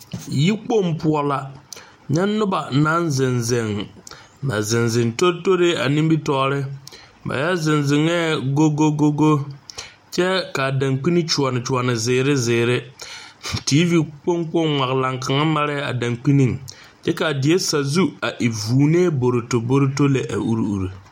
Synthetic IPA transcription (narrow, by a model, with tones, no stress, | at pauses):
ji˦k͡po˦mpu˦ɔ˦la˨ | ɲɛ˦nːʊ˦ba˨na˦nzɪ˨nzɪ˨ŋ | ba̰˨zɪ˨nzɪ˨ŋto˦to˦ɾe˦a˨nĩ˦mbi˦tɔː˨ɾɪ˦ | ba̰˨ja˦zɪ˨nzɪ˨ŋɛː˦ɡo˦ɡo˦ɡo˦ɡo˦ | t͡ʃɛ˦ka˨da˨ŋk͡pi˦ni˦t͡ʃu˨ɔ˨nɪ˨t͡ʃu˨ɔ˨nɪ˨zɪː˨ɾɪ˦zɪː˨ɾɪ˦ | tiː˦vi˨k͡po˦ŋk͡po˦ŋŋʷa˨ɣla˨ŋka˨ŋa˦ma˦ɾɛ˦a̰˨da˨ŋk͡pi˦ni˦ŋ | t͡ʃɛ˦ka˨dɪ˨e˦sa˨zu˦a˨ʔi˨vuː˨n˦eː˦bo˨ɾɪ˨to˨bo˦ɾɪ˦to˦le˨ʔa̰˨u˦ɾu˨ɾu˨